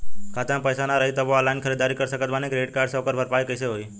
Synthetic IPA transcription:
kʰat̪ə̃pəjsanaɾəit̪əboalainkʰəɾed̪aɾikəɾsəkət̪manikɾeɖkaɾɖsɔkəɾbʱəɾpajkəiseɦoj

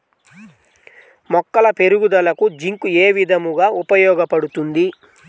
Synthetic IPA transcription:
mɔkːɐlɐpeɾuɡud̪ɐlɐkud͡ʒiŋkueːʋid̪ʱɐmuɡaːupɐjɔːɡɐpɐɽut̪und̪i

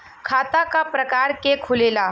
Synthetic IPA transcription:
kʰaːt̪akapɾɐkaːɾkekʰʊleːlaː

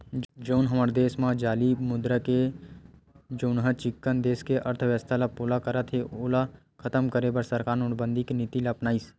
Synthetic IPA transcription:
d͡ʒoːnɦəməɾd̪eːsmãd͡ʒaːlimʊd̪ɾəke | d͡ʒoːnɦət͡ʃɪkːənd̪eːskeʔəɾt̪ʰəʋjəst̪ʰalapoːlakəɾət̪ʰɦeoːla | kʰət̪əmkəɾebəɾsəɾkaːɾnʊɽbə̃nd̪ʱiknit̪ilapnaːis

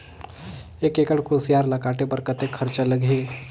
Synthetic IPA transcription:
ekeːkəɽkʰosijaːɾlakaːʈebəɾkət̪ekʰəɾt͡ʃaləɡʱeː

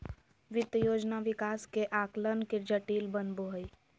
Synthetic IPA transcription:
ʋɪt̪joːd͡ʒnaʋɪkaːskeʔaːklənked͡ʒəʈiːlbənboɦəi

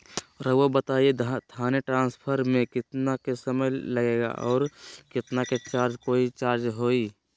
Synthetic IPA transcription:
ɾəobət̪aːiet̪ʰaːneʈɾãːnspʰəɾmẽkɪt̪nakesəməjləɡeːɡa̰ʔɔːɾkɪt̪naket͡ʃaːɾd͡ʒkoːit͡ʃaːɾd͡ʒɦoːiː

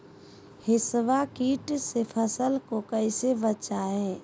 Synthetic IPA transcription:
hɪsʋakiːʈsepʰəsəlkokəɪsebət͡ʃaẽː

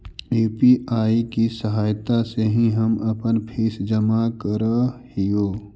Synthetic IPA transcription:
juːpiʔaːikisəɦaːjt̪aseɦĩɦɐmɐpənpʰiːsd͡ʒəmakəɾhijoː

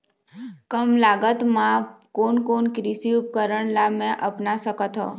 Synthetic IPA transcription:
kəmlaɡət̪mãkoɳkonkɾisiup̚kəɾəɳlamẽʔəpnaʃəkət̪ɦo̰

